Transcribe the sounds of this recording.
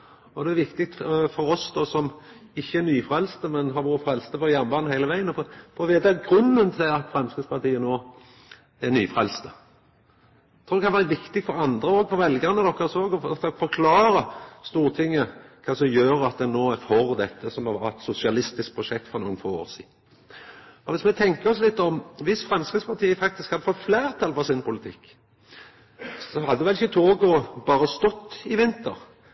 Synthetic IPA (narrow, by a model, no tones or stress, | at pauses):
ɔd̪ɛæɾʋɪkt̪ɪk̚t̪fɔɾɔsd̪ɔsɔm | ɪçːəænyːfɾɛlst̪əmɛnɦɑɾʋuːɾəfɾɛlst̪əfɔɾjæɾnmbɑːnnhæɪləʋæɪənəfɔfɔɾʋeːd̪æɡɾʉnːənt̪ʰɪlɑt̪fɾɛmskəspɑt̪iːənoː | æɾny̰ːfʁɛlst̪ə | t̪ʰɾuːd̪ɛkʰɑnʋæːɾəʋɪkt̪ɪɡfɔɾɑnd̪ɾəoːɡfɔɾʋɛlɡənəd̪ɔkːəɾsoːɡɔɔt̪fɔɾkʰlɑːɾəst̪uːʁt̪ʰɪŋːəkʰɑːsɔmjøːɾɑt̪̚d̪ɛnoːɛfɔɾd̪ɛt̪ːəsɔmɑɛt̪sʊsɪɑlɪst̪ɪsk̚pʰɾʊʃɛkt̪fɔʁnṵːənfoːo̰ːɾsḭːd̪n | ɔʋɪsmɛt̪ʰɛŋkəɔslɪt̪ːɔmʋɪsfɾɛmskɾid̪spʰɑʁt̪ʰiːəfɑk̚t̪ɪskhɑd̪ːəfɔt̪flæːʁt̪ʰɑlfɔʁsɪnpʰʊlɪt̪ʰɪkː | sɔhɑd̪ːd̪ʋɛlɪçət̪ʰoːɡʊbɑːɾəst̪ɔt̪ːɪʋɪnt̪ə̰ɾ